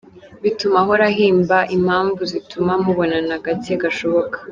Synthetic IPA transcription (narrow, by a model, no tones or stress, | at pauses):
βitumaɦoɾaɦiːmbaʔim̥haːɱvuzitumamuβo̞nanaɡateɡaʃo̞βo̞kḁ